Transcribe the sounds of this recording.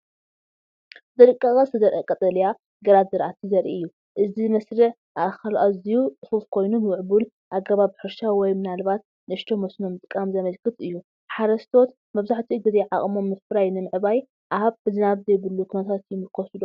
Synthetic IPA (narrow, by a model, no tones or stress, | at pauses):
zɐɾɨkʼːɐkʼɐsɨzɐɾʔekʼɐt̪ʼɐlja | ɡɐlazɐɾʔat̪ʰizɐɾʔḭɨjːu | ʔɨzinɐsɾɨʕ | ʔaʔxɐlʔazijutʼɨxufkʰo̞jnumɨwʕbul | ʔaɡɐβaβħɨɾʃawɔjmɨnalbat̪ | nɨʃt̪ʰomosno̞mt̪ʼɨkʼːamzɐmɐlkʰɨt̪ɨjːu | ħaɾɐst̪ʰo̞t̪ | mɐβzaħt̪ʰiɡɨzeʕaχʼmo̞mːɨsfɨɾajnɨmɨʕɨbaj | ʔahaβbɨzɨnaβzɐjbɨlːukʰunɐt̪ʰat̪jɪmɨkʰosɨlo